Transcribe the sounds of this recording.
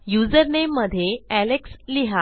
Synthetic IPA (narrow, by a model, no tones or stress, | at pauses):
jud͡zəɾnemːəd̪ʱjeæleksliɦa